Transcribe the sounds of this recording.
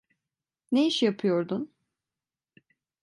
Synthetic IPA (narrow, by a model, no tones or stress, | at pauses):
nejiʃjapʰɯjo̞ɾd̪ʊn